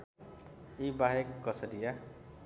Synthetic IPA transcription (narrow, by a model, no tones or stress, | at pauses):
ibaɦekːʌsʌɾija